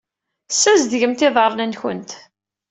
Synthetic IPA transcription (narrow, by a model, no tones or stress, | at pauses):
sːæzd̪ʝəmt̪ɪðˤəɾˤnænçə̰nt̪